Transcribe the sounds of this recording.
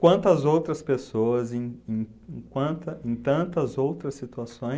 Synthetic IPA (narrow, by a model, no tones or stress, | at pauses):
kwɐ̃nt̪ɐzowt̪ɾɐspesoɐzẽj̃ẽj̃ | kwɐ̃t̪ɐẽj̃t̪ɐ̃nt̪ɐzowt̪ɾɐsit̪uasõj̃